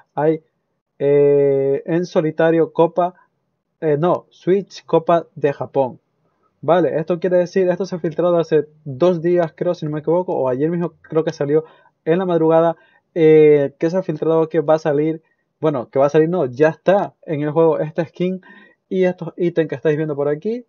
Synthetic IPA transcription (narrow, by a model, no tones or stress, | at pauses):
aj | e | enso̞lit̪aɾjo̞ko̞pa | no̞swit͡ʃko̞paðe̞xapo̞ŋ | bale̞ʔe̞st̪o̞k̬je̞ɾe̞ðe̞siɾe̞st̪o̞seafilt̪ɾað̞oase̞ | d̪o̞zd̪iaskɾeosino̞mek̬iβo̞ko̞oaʝe̞ɾmizmokɾe̞oke̞saljo̞ | e̞nlamað̞ɾuɣ̞að̞a | eke̞s̬eafilt̪ɾaðoke̞βasaliɾ | bwe̞no̞ke̞βasaliɾno̞ʝaest̪ae̞ŋe̞lxwe̞ɣo̞ʔe̞st̪eehkiŋ | ie̞st̪o̞sit̪eŋkest̪ajβjend̪o̞po̞ɾaki